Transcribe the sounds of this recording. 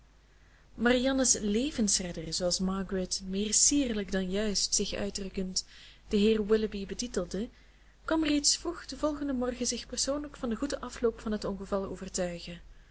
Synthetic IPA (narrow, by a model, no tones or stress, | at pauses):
marijɑnəsleːvənsrɛdərzoːɑlˠsmɑɡrɛtmɪːrsiːrləɡdɑnjœɥstsɪxœ̰ɥdrɵkəntd̥əɦɪːrwɪləbibətitəlˠdə | kʋɑmreːtsfruxdəvɔlˠɣəndəmɔrɣəzɪxpərsoːnləkfɑndəɣudəʔɑfloːpfɑnɦətɔnɣəvɑlˠəoːvərtœɥɣə